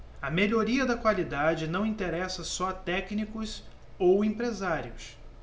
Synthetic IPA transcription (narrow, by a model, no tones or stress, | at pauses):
ɐmeʎoɾiɐd̪ɐkwalid̪ad͡ʒɪnɐ̃w̃ĩnt̪eɾɛsɐsɔɐt̪ɛknikʊz | owẽpɾezaɾiʊs